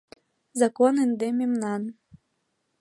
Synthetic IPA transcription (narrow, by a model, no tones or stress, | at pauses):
zakonɨnd̪emʲimnɑn